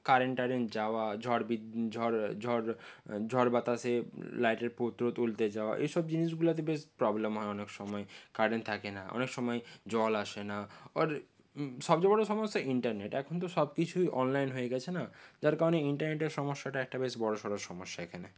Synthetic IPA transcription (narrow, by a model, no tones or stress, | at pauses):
kaɾenʈaɖend͡ʑaoad͡ʑʱɔɾbid͡ʑʱɔɾd͡ʑʱɔɾ | d͡ʑʱɔɾbat̪aselajʈeɾpot̪ɾot̪ult̪ed͡ʑaoa̰ʔḛjʃɔb̚d͡ʑiniʃɡulat̪ebeʃpɾɔblemɦɔeɔnekʃɔmɔekaɾɖent̪ʰakenaʔɔ̰nekʃɔmɔed͡ʑɔlaʃenaaɾ | ʃɔb̚d͡ʑebɔɽoʃɔmot̪aiɳʈaɾneʈɛkʰont̪̬oʃɔbkit͡ɕʰujʔɔnlajnɦojeɡɛt͡ɕʰenad͡ʑaɾkaɾoneiɳʈaɾneʈeɾʃɔmoʃːaʈaɛk̚ʈabeʃbɔɽoʃɔɾaʃɔmoʃːaekʰane